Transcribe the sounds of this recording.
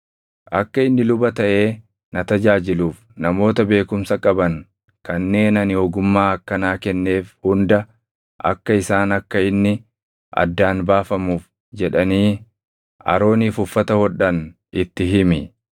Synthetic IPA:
ʔɐkːɐɪnːɪlʊbɐt̪ɐʔe̞ː | nɐt̪ɐd͡ʒaːd͡ʒɪluːf | nɐmo̞ːt̪ɐbe̞ːkʊmsɐkʼɐbɐŋ | kɐnːe̞ːnɐnɪɔɡʊmːaːɐkːɐnaːkɛnːe̞ːfhʊnd̪ɐ | ʔɐ̰kːɐɪsaːnɐkːɐɪnːɪ | ʔɐ̰d̪ːaːnbaːfɐmuːf | d͡ʒɛᶑɐniː | ɐ̰ɾo̞ːniːfʊfːɐt̪ɐhɔᶑɐn | ʔɪt̪ːɪɦɪmɪ

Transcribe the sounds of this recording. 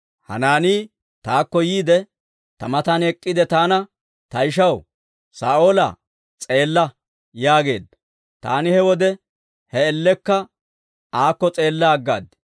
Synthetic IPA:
hɐ̰naːniː | t̪aːkːɔjiːd̪ɛ | t̪ɐmɐt̪anɛkʼːɪd̪ɛt̪aːnɐ | t̪ɐjɪʃɐw | saːʔoːlɐ̰ | t͡sʼe̞ːlːɐ | jaːɡe̞̰ːd̪ːɐ | t̪a̰ːnɪhɛwɔd̪ɛ | hɛɛlːɛkːɐ | aːkːɔt͡sʼe̞ːlːaɡːa̰ːd̪

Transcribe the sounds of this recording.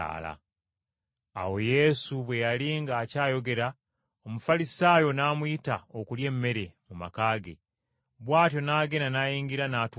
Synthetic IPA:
a̰la̰ | a̰wo̞je̞suβwe̞jaliŋɡaːcaːjo̞ɡe̞ɾa | o̞mufalisaːjo̞naːmwitaokulje̞ːmːe̞ɾe̞muma̰kaːɡe̞̰ | βwaːtjo̞naːɡe̞nanajiːŋɡiɾanaːt

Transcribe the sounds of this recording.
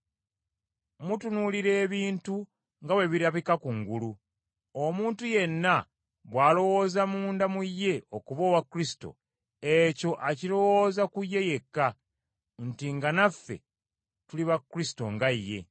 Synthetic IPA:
mutunuliɾe̞ːβiːntu | ŋɡawe̞βiɾaβikakuŋɡulu | omuːntuje̞nːa | βwaːlo̞wo̞ːzamuːndamujːe̞o̞kuβo̞ːwakːuɾisi̥to̞̰ | eco̞ʔaciɾo̞wo̞ːzakujːe̞je̞kːa | ntiŋɡanafːe̞̰ | tuliβakːuɾisi̥to̞̰ŋɡajːe̞̰

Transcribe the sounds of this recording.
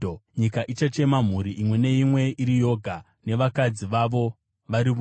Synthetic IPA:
ɲikaʔit͡ʃat͡ʃe̞mam̤uɾiʔimwe̞ne̞imwe̞iɾijo̞ɡʱa | ne̞ʋakad͡ziʋaʋo̞ | ʋaɾiʋu

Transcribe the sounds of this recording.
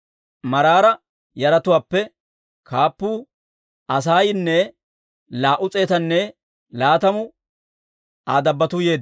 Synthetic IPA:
mɐɾaːɾɐ | jɐɾɐt̪ʊwaːpːɛ | kʰaːpːuː | ɐs̬aːjnːɛ | laːʔʊt͡sʼe̞ːt̪ɐnːɛ | laːt̪ɐmʊ | aːd̪ɐbːɐt̪uje̞ːd̪

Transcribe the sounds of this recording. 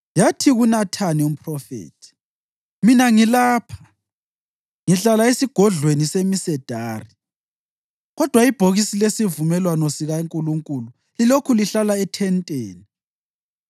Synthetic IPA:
jatʰiɣunatʰanium̩pʰʼrɔfḛːtʰi̥ | minaŋilaːpʰḁ | ŋiɬalaesiɡ̥ʱɔɮwenisemisɛd̥ʱaːri | ɣɔd̥ʱwaib̥ʱoɣisilesivumɛlwanɔsiɣaŋkʼuluŋkʼulu | lilokʰuliɬalaɛtʰɛntʼeːni

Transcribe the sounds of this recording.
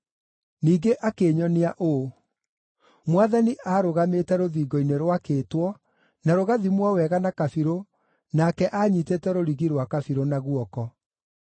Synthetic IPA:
niːɡeʔakeːɲɔneaʔo | mwaðaniʔaːɾoɣametɛɾoðiːɡɔineɾwakeːtwɔ | naɾoɣaðimwawɛɣanakafiɾo | naːkɛʔaːɲitetɛɾoɾiɣiɾwakafiɾonaɣuɔkɔ

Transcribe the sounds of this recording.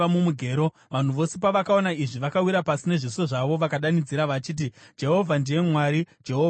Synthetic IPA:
amumuɡʱe̞ːɾo̞ | ʋan̤uʋo̞se̞paʋakao̞naiʐiʋakawiɾapasine̞ʐiso̞ʐaʋo̞ʋakaɗanid͡ziɾaʋat͡ʃiːt̬id͡ʒe̞ɦo̞vʱandije̞mwaːɾid͡ʒeɦo

